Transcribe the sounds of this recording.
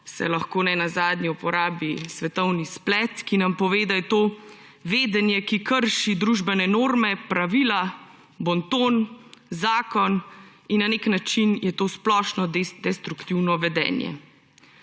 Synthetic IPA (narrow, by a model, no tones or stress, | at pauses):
sɛ̰laxkoːnɛnazaːd̪niupɔɾaːbisʋɛt̪ɔwnisplɛt̪kinampɔʋeːd̪ajɛt̪oː | ʋeːd̪ɛnjɛkikəɾʃid̪ɾuʒbɛnɛnoːɾmɛpɾaʋiːla | bɔnt̪oːnzaːkɔn | inːaneːknat͡ʃinjɛt̪oːsplɔːʃnɔd̪ɛst̪ɾukt̪iwnɔʋɛd̪ɛ̰ːnjɛ̰